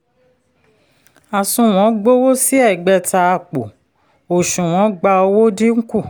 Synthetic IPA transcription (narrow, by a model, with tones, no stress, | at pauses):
a˨sũ˨˧w̃ɔ̃˨˦ɡ͡bo˦wo˦si˦ɛ˦˨ɡ͡bɛ˧ta˧a˧˨k͡po˨ | o˨ʃũ˨w̃ɔ̃˨˦ɡ͡ba˧o˧wo˦di˦ŋ̩˦ku˦˨